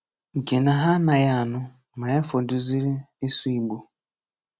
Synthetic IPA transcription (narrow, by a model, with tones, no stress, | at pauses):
ŋ̩˨ke˨na˨ɦa˦na˨ja˦a˨nʊ˦ | ma˨ja˦fo˨dʊ˨zi˦ɾe˦ | e˦su˦i˨ɡ͡bo˨